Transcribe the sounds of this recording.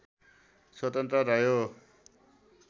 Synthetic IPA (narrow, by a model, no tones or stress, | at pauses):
swʌt̪ʌnt̪rʌɾʌjo